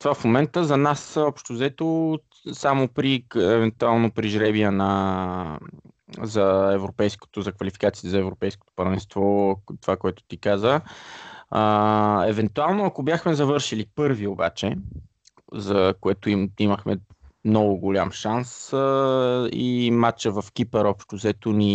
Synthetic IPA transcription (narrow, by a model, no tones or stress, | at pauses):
t̪ovafmomɛnt̪əzɐnasɔpʃt̪ozɛt̪o | samopɾiɛvɛnt̪ualˠnopɾiʒɾɛbiɛnɐ | zɐɛvɾopɛjsko̥t̪ozɐkvɐlifi̥kat̪siɛzɐɛvɾopɛjsko̥t̪o̥pɐɾvɛnst̪vɔt̪ovakoɛt̪ʊ̥t̪ikazə | əɛvɛnt̪ualˠnoɐkobʲjaxmɛzɐvɤɾʃilipɤɾvioba̰t͡ʃɛ | zɐkoɛt̪ʊiiməxmɛ̰mnɔɡʊɡolʲamʃansə | ḭmat͡ʃəvɐfkipɛɾɔpʃt̪ozɛt̪ʊni